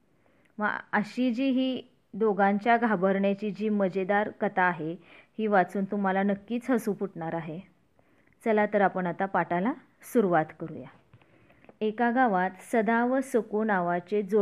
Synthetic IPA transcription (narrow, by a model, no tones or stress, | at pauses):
məəɕid͡ʑiːɦiː | d̪oɡãɲt͡ɕjaɡʱabəɾɳjat͡ɕiːd͡ʑiːməd͡ʑed̪aɾkət̪aːɦehiːʋat͡suːnt̪um̤alanəkːiːt͡sɦəsuːpuʈɳaɾaɦe | t͡səlat̪əɾapəɳat̪apaʈala | suɾuʋat̪kəɾṵja̰ | ekaɡaʋat̪səd̪aʋəsəkunaʋat͡sed͡zo